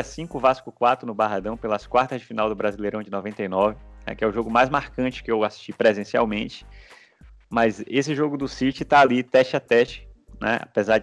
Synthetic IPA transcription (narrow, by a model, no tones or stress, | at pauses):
ɐsĩkʊvaskʊkwat̪ɾʊnʊbaɦad̪ɐ̃w̃pelɐskwaɾt̪ɐzd͡ʒɪfinawd̪ʊbɾazilejɾ̃w̃d͡ʒɪnɔvẽnt̪ejnɔvɪnɛ̰kɪɛʊʒoɡʊmajzmaɾkɐ̃t͡ʃɪ̥kɪewasi̥ʃt͡ʃipɾezẽsia̰wmẽt͡ʃɪ̥ | mɐjzesɪʒoɡʊd̪ʊsit͡ʃɪt̪aːlit̪ɛʃat̪ɛt͡ʃɪ̥nɛ̰a̰pezaɾ